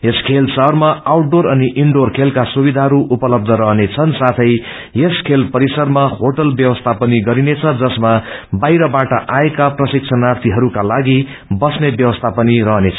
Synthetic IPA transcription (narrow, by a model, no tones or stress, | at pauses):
eskʰelsʌɦrmaawʈ̚ɖoɾʌniʔiɳɖorkʰelkasubid̪ʱaɦʌɾuʔupʌlʌb̚d̪ʱʌɾʌɦnet͡sʰʌnsat̪ʰʌj | jeskʰelpʌɾisʌrmaɦoʈʌlbjʌwʌst̪ʰapʌniɡʌɾinet͡sʰʌd͡zʌsmabajɾʌbaʈʌʔaekaprʌsik̚t͡sʰʌnart̪ʰiɦʌɾukalaɡi | bʌsnebjʌwʌst̪ʰapʌniɾʌɦnet͡sʰʌ̥